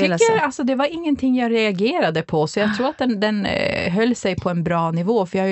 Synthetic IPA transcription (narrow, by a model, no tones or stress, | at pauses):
alsɔd̪ɛvaɾɪŋːənt̪ʰɪŋːjaɾɛaɡeːɾad̪əpʰɔsɔjat̪ʰɾuːɾat̪̚d̪ɛnd̪ɛnɦœlːsɛjpʰɔɛnbɾɑːnɪvoːfœjahj